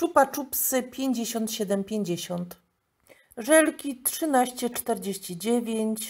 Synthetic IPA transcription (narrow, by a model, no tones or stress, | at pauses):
t͡ʂupat͡ʂupsɘpʲjeɲd͡ʑeɕɔnt̪ɕɛd̪ɛmpʲjeɲd͡ʑeɕɔnt̪ | ʐɛlkʲitʂɘnaɕt͡ɕɛt͡ʂt̪ɛɾd͡ʑeɕt͡ɕid͡ʑevʲjeɲt͡ɕ